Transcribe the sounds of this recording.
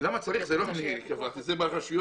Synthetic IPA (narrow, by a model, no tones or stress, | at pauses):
lamat͡saʁiχzeloaniekavaʁt̪izebaχaʃujo